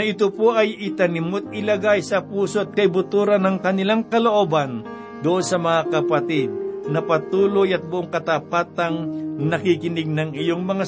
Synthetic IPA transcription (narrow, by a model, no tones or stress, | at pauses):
ɐʔɪt̪opo̞ʔɐjɪt̪ɐnɪmot̪̚ɪlɐɡajsɐpuːsoʔt̪̚kɐɪbʊt̪uːɾɐnɐŋkɐnɪlaŋkɐloʔoːbɐn | d̪oʔo̞nsɐmɐŋakɐpɐt̪ɪd̪̚nɐpɐt̪uːlo̞jɐt̪̚bʊʔoŋkɐt̪apaːt̪ɐŋnɐkikɪnɪɡ̚nɐŋɪjoŋmɐŋa